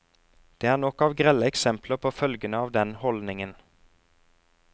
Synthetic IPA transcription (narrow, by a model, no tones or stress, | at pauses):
d̪̥eːæːʁnɔkɑːʋɡʁɛləɛksɛmpləpʰoːfœlɡənəɑːʋd̪ɛnhɔld̪nɪŋən